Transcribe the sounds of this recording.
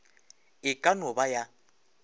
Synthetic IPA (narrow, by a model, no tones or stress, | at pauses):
ɪkʼanʊbaja